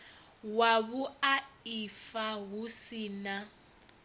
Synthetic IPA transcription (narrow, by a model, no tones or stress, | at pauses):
waβuaifaɦusiːna